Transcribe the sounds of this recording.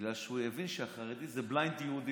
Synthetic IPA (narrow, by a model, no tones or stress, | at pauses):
lalʃeujevinʃeaχaʁed̪izeblajnt̪jeud̪i